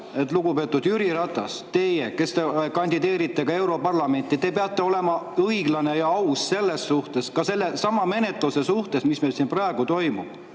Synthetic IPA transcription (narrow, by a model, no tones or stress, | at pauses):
e̞t̪ˑluɡupe̞t̪ːˑud̪̥jyɾiɾɑt̪ːˑɑst̪e̞jeke̞st̪ekɑnʲd̪id̪e̞ːɾit̪ːe̞kɑe̞wɾo̞pɑrlɑme̞nʲt̪ːˑit̪e̞peɑt̪ːˑe̞o̞le̞mɑɤiɡ̥lɑne̞jɑɑusse̞lːe̞sːuht̪e̞skɑse̞lːe̞sɑmɑme̞ne̞t̪ˑluse̞suht̪e̞smismelsinprɑeɡ̥ut̪o̞jmub̥